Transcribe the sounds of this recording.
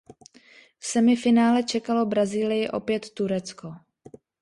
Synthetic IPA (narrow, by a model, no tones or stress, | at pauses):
fsɛmɪfɪnaːlɛt͡ʃɛkalo̞bɾaziːlɪjɪʔo̞̰pjɛt̪ːuɾɛt͡sko̞